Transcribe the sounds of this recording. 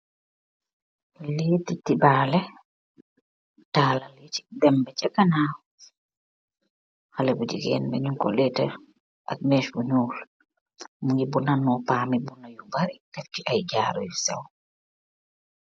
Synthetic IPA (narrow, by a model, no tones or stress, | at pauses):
letitibaːlɛ | taːlalit͡ʃi̥dɛmbɛcɛkanaː | halɛbuɟḭɡɛ̰ːnmɛɲuŋkɔ̰lɛːtə | ʔa̰k̚mɛʃbuɲuːl | muŋɡibunanːɔpaːmibunːajubaɾidɛft͡ʃiʔajɟaːɾojusɛ̰w